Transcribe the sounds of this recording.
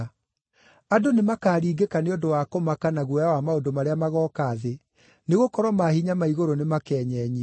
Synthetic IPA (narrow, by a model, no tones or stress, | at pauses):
adonemakaːɾiːɡekaneodowakomakanaɣwɔjawamaodomaɾeamaɣɔːkaːðe | neɣokɔɾwɔmahiɲamaiɣoɾonemakɛːɲɛɲi